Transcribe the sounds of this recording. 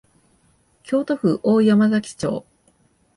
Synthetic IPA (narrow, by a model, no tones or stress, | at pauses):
kʲʰo̞ːt̪o̞ɸɯ̟ʔoːijomazakʲi̥t͡ɕo̞̰ː